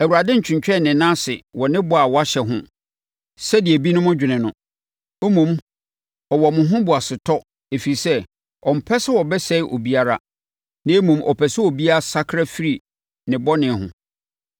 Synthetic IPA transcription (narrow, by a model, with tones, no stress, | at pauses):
æ˨wu˨ɾa˨dɪ̃˦ɲ̩˨t͡ɕʰᶣɪ̃˨ɲt͡ɕᶣɛ˦˨nɪ̃˨nãː˦sɪ˨wɔ˨nɪ̃˦bʊ˨a˨wɔ˨˦a˦ɕɛ˨ɦʊ̰̃˦ | sɛ˦di˨e˨bi˦nʊ̃˦mʊ̃˦d͡ʑᶣɪ˨nɪ̃˨nʊ̃˨ | o˦mũ˨m | ɔ˨wɔ˨mʊ̃˨ɦʊ̃˦bʊ˨a˨sɪ˨tʰɔ˦ | e˨fi˨i˨sɛ˦ | ɔ˨m̩˨pʰɛ˦sɪ˦wɔ˨bɛ˦sɛ˦ɪ˦ʔo˨bi˦a˦ɾa˦ | nɪ̃˦e˦mũ˨mʔɔ̰˨pʰɛ˨sɪ˦o˨bi˦a˦a˦sa˦kʰɾa˦fi˦ɾi˨ | nɪ̃˨bɔ˦nɪ̃˨ɦʊ̰̃˨